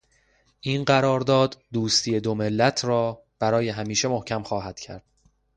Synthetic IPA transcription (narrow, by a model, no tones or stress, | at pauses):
ʔiːnɢæɾɒːɾd̪ɒːd̪ːuːst̪ʰiːe̞d̪ome̞lːæt̪ʰrɒː | b̥æɾɒːje̞ɦæmiːʃe̞mohcʰæmχɒːɦæd̪̥cʰæ̰ɾd̪̥